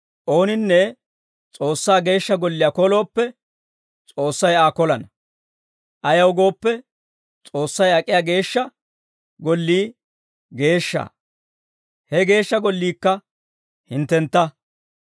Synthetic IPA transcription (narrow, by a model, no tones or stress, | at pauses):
ʔo̞ːnɪnːɛ | t͡sʼo̞ːsːaːɡe̞ːʃːɐɡɔlːɪjakɔlo̞ːpːɛ | t͡sʼo̞ːsːɐjaːkɔlɐnɐ | ʔɐjɐwɡo̞ːpːɛ | t͡sʼo̞ːsːɐjɐkʼɪjaːɡe̞ːʃːɐ | ɡɔlːiː | ɡe̞ːʃːa̰ː | hɛɡe̞ːʃːɐɡɔlːiːkːɐ | hɪnt̪ːɛnt̪ːɐ